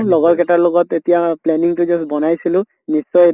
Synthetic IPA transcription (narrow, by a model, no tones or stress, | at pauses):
lɔɡɔlkɛtaɹlɔɡɔtetijaplɛniŋtʊzɔsbɔnajsilʊ̃ | nisːɔj